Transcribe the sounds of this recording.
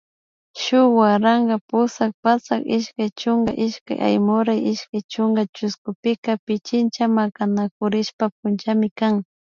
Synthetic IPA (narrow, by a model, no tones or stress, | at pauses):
ʃʊwaɾaŋɡapʊsak̚pat͡sakɪʃkajt͡ʃʊŋɡaʔɪʃka̰jʔa̰jmʊɾajɪʃkajt͡ʃʊŋɡat͡ʃʊskʊpɪkapɪt͡ʃɪnt͡ʃamakanakʊɾɪʃpap̚ʊnt͡ʃamɪkaŋ